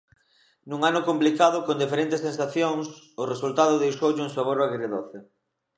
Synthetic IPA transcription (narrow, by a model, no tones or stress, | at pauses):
nuŋanʊkomplikaðʊkond̪ifeɾent̪esensaθjoŋs | ʊresult̪aðʊðejʃowʎɪuŋsaβoɾaɣɾeðoθɪ